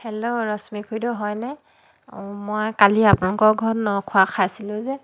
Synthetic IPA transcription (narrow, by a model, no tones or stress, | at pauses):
hɛlɔɹɔsmikʰujdɔɦɔjna | mɔjkaliapunalukɔɡʱɔtnɔkʰʊakʰasilʊ̃zɛ